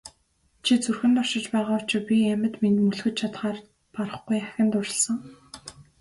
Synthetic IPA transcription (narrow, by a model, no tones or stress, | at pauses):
t͡ɕʰit͡sɵrxɘ̆nt̪ʊrʃɪ̆t͡ɕpæːʁaːʊt͡ɕɪ̆pʲiæmʲɘ̆t̪minmuɮxɘ̆t̪̚t͡ɕʰat̪χaːr | paɾə̆χɡujæxʲɪ̆nt̪ʊrɪ̆ɮsə̆ŋ